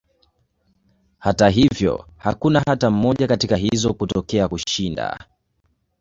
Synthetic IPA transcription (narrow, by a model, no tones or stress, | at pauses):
hataɦivjɔ̰hakunaɦatam̩mɔʄakatikaɦizɔkutɔkɛakuʃinda̰